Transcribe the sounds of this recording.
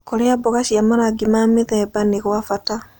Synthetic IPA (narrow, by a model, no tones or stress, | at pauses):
koɾeaboɣaʃiamaɾaɡimamiðɛːbaneɣwafata